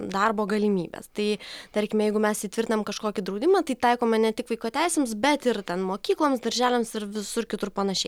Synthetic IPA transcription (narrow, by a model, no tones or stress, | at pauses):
d̪ɐrboːɡɐlʲɪmʲḭːbʲḛst̪ɐɪt̪ɐɾʲkʲɪmʲjɛɪɡʊmʲɛsiːt̪ʲʋʲɪɾʲt̪ʲɪnɐmkɐʃkoːkʲɪd̪ɾɐʊd̪ʲɪmɑːt̪ɐɪt̪ɐɪkoːmʲɛnʲɛt̪ʲɪkʋɐɪkoːt̪ʲæɪsʲeːmsbʲɛt̪ɪrt̪ʲɛnmoːkʲiːklˠoːmsd̪ɐɾʲʒʲæːlʲɛːmsɪɾʋʲɪsʊrkʲɪt̪ʊrpɐnɐʃʲɛɪ